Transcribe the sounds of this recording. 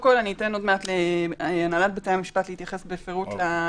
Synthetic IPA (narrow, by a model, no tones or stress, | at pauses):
mko̞laniːteno̞dmeatleanalat̚bet͡seamiʃpatlehit̪jaχe̞sbefeʁutla